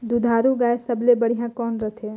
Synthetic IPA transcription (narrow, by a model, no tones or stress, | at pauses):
d̪ud̪ʱaːɾuɡaːesəblebəɽ̤ijãkɔːnɾət̪ʰe